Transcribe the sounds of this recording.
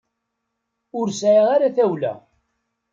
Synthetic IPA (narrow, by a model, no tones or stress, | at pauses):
ʊɾsʕiʁaɾaθæwlæ̰